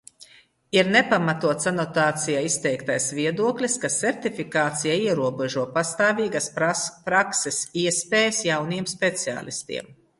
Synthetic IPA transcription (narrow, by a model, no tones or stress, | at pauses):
iɾnepamat̪uɔt̪sanɔt̪aːt̪sijaist̪ɛjkt̪ajsviɛd̪uɔklʲiskasɛɾt̪ifikaːt̪sijaiɛɾuɔbɛʒuɔpast̪aːviːɡaspɾaksɛsiɛspɛːjsjawnijɛmspet̪sia̰ːlˠist̪ḭɛm